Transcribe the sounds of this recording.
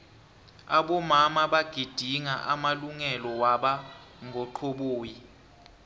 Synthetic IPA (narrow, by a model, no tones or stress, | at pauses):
aɓɔmamaɓaɡ̥ʱid̥ʱiŋaʔamaluŋɛlɔwaɓa | ŋʱɔǃʰoɓoːji